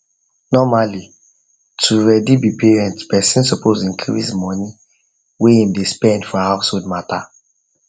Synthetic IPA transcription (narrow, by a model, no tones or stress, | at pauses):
nɔmali | tʰuɹɛdibipeɹɛ̃ntpɛsĩnsɔpʰozĩŋkʰiɹizmɔni | weĩmdespɛ̃ndfɔhaʊsholdmata